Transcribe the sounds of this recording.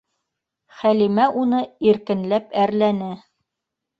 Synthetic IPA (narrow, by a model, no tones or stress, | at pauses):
χælimæʔunɤiɾkɘ̆nlæpæɾlænɘ